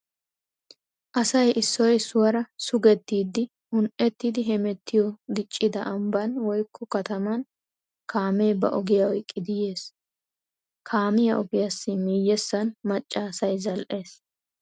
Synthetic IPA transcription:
ʔɐsɐjʔɪsːɔjsʊwɐɾɐsʊɡɛt̪ːiːd̪ːɪ | hʊnʔɛt̪ːid̪ɪɦɛmɛt̪ʰːɪjɔɡ̪ɪt͡ʃʼːɪd̪ɐʔɐmbɐnwɔjkʰːɔkɐt̪ɐmɐn | kʰaːmeːbɐ̰ʔɔɡɪjɐwɔjkʼːɪd̪ɪje̞ːs | kʰaːmɪjɐʔɔɡɪjɐsːɪmiːjːɛsːɐnmɐt͡ʃʼːaːsɐjzɐlʔe̞ːs

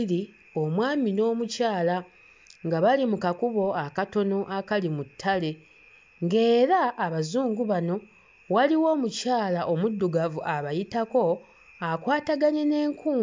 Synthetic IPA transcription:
ɾi | o̞mwaːmino̞ːmucaːla | ŋɡaβalimukakuβo̞akato̞no̞ʔakalimutʰːale̞ | ŋɡe̞ːɾaːβazuːŋɡuβano̞ | waliwo̞ːmucaːlaʔo̞mudːuɡavuʔaβajitako̞ | akwaːtaɡaɲe̞ne̞ːŋkʰuː

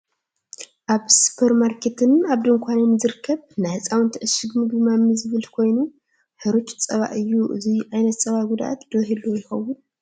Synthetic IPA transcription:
ʔaβsɨ̥pʰɐɾmaɾkʰet̪ʰɨnaβd̪ɨŋkʷʰanɐnzɨɾɨkʰːɐβnajhɨt͡sʼawɨnt̪ʰɐʔɨsɨɡmɨbɨmamɨzɨβɨlkʰo̞jnu | ħɨɾot͡ʃʼt͡sʼɐβa̰ʔɨjːuʔɨ̰zijʕajnɐt̪t͡sʼɐβaʔɡud̪a̰ʔa̰t̪d̪̥oɦilujɪxɐwun

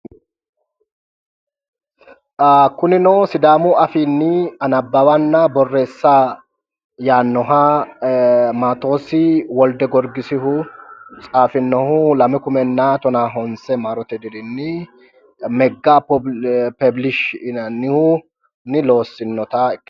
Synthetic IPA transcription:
kʊnɪnɔwsɪd̪aːmʊɐfiːnːɪɐnɐbːɐwɐnːɐbɔrːeːsːa | jaːnːɔɦɐ | maːt̪o̞ːsɪwɔld̪ɛɡɔɾɡɪsɪɦʊt͡sʼaːfɪnːɔhʊlɐmɪkʊmɛnːat̪ɔnaːɦɔnsɛmaːɾɔt̪ɛd̪ɪd̪ɪnːɪ | mɛɡːappɛblɪʃɪnɐnːɪhʊ | nɪlo̞ːsːɪnːɔt̪ɐɪkː

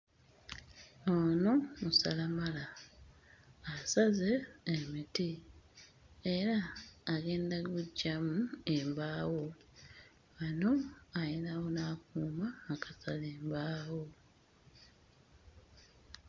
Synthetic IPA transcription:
oːno̞musalamala | saze̞ːmiti | eɾaːɡe̞ːndaɡuɟːamuembaːwo̞ | βano̞ajenawo̞nakuːmaːkḁsaleːmbaːwo̞

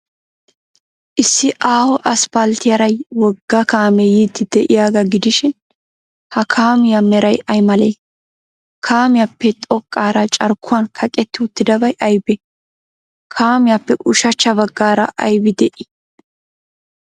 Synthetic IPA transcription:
ʔɪsːɪʔaːhɔʔɐspɐlt̪ɪjɐɾɐjwɔɡːɐkaːmɛjiːt̪ːɪd̪ɛʔɪjaːɡɐɡɪd̪ɪʃɪn | hɐkʰaːmɪjamɛɾɐjɐjmɐlɛj | kʰaːmɪjapːɛt̪ʼɔkʼːaːɾɐt͡ʃʼɐɾkʰːʊwɐnkʰɐkʼɛt̪ːɪʊt̪ːɪd̪ɐbɐjʔɐjbɛ | kʰaːmɪjapːɛʔʊʃɐt͡ʃːɐβɐɡːaːɾɐ̰ʔɐjbɪd̪ɛʔɪ

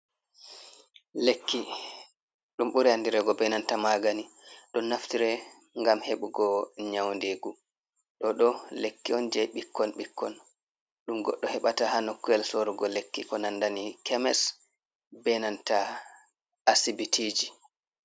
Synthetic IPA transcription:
lekːi | ɗumɓuɾɛandiɾɛɡɔbɛnantamaɡaniɗɔnːaftiɾɛ | ŋɡamheɓuɡɔɲawndeɡu | ɗɔɗɔlekːiɔnd͡ʒɛjɓikʰːɔnɓikːɔn | ɗumɡɔɗːɔhɛɓatahanokːuɛlsoɾuɡɔlekːikɔnandanikʰɛmɛs | bɛnanta | asibitʰid͡ʒi

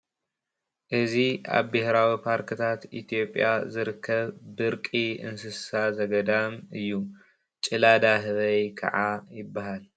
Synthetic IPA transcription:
ʔɨzia̰βbɪhɾawipʰaɾkʰɨt̪ʰat̪ḭt̪ʰjo̞pʼːja̰zɨɾɨkʰːɐβbɨɾkʼiɨ̰nsɨsazɐɡɐd̪amɨjːu | t͡ʃʼɨlad̪aɦɨβɐjkʰɐ̰ʕajɪbːahal

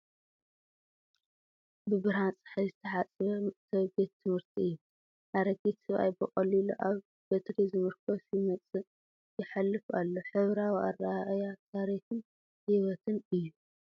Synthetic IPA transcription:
bɨbɨɾant͡sʼħajzɨt̪ʰɐħat͡sʼβɐsʰɐβɡet̪ʰːɨmhɨɾt̪ʰiɨjːu | ʔaɾɐɡet̪sɨβʔa̰jbɨχʼɐliluʔaβ | bɐt̪ʰɾizɨmɨɾkʰɐfjimɐt͡sʼɨ | jɪħalːɨfalːoħɨβɾawia̰raʔjat̪ʰaɾixɨn | hiβɐt̪ʰɨnɨjːu

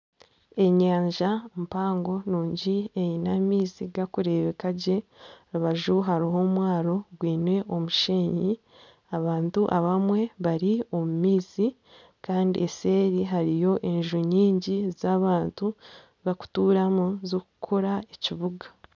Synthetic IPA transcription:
e̞ɲaːɲʒampaːŋɡo̞nuːɲɟiejinamiːsiɡakuɾe̞βekaɟe̞ɾuβaʒuɦaɾiɦo̞mwaːɾo̞ɡwiːnwe̞ʔo̞muʃeːɲi | aβaːntuʔaβamwe̞βaɾio̞mumiːsi | kaːndḭese̞ːɾiɦaɾijo̞ʔe̞ɲʒuɲiːɲɟizaːβaːntu | βaku̥tuːɾamuzoku̥kʰoɾaeciβuɡa

